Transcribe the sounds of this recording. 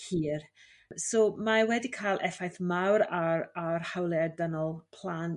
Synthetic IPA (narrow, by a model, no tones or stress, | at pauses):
hiːr | somawɛdikʰajlˠʔɛfajθmawɾaarhawlˠɛdənɔlˠpʰl̥ˠaːn